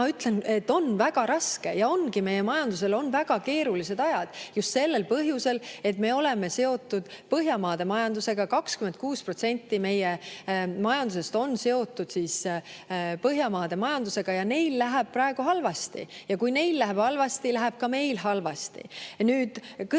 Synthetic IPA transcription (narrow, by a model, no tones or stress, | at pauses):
ɑyt̪le̞net̪ːo̞nvæɡ̥ɑɾɑske̞jɑo̞nɡime̞je̞mɑjɑnd̪us̬e̞lo̞nvæɡ̥ɑke̞ːɾulise̞d̪ɑjɑd̪̥just̪se̞lːelpɤɦjuse̞le̞t̪me̞o̞le̞me̞se̞o̞t̪ːˑud̪̥pɤɦjɑmɑːd̪̥e̞mɑjɑnd̪use̞ɡ̥ɑkɑkskyment̪̚kuːspro̞t̪se̞nʲt̪ːime̞jemɑjɑnd̪̥use̞st̪o̞nːse̞o̞t̪ːˑud̪̥siːs | pɤɦjɑmɑːd̪̥emɑjɑnd̪use̞ɡ̥ɑjɑne̞jllæɦeb̥̚pɾɑeɡ̥uɦɑlvɑst̪ḭjɑkujne̞jllæɦeb̥hɑlvɑst̪ilæɦeb̥̚kɑme̞jlɦɑlvɑst̪ḭnyːd̪̥k